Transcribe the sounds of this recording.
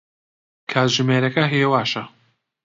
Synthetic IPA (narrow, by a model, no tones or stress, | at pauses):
kʰaːtʒɨmeːɾɐkɐɦiːɛwaːʃɐ